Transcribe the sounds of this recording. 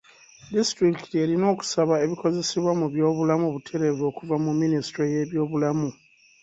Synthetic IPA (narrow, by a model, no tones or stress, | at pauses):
distɾiktie̞ɾino̞ːku̥saβae̞βiko̞ze̞siβwamuβjo̞ːβulamuβutʰe̞ɾeβo̞ːkuvamumːinisi̥tɾoje̞βjo̞ːβulamu